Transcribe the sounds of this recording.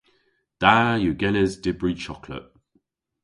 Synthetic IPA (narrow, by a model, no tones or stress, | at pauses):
d̥aːjuɡɛnɛzdɪbɹit͡ʃʰɒkʰlə̰ʔ